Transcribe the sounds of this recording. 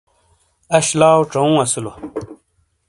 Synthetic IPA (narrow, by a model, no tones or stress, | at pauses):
ɐɕlaːoʈ͡ʂɐũːɐslo